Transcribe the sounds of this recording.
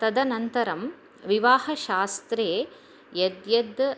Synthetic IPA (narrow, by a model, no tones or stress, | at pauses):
t̪ɐd̪ɐnɐnt̪ɐɾɐm | ʋiʋaːhɐʃaːst̪ɾeː | jɐd̪jɐd̪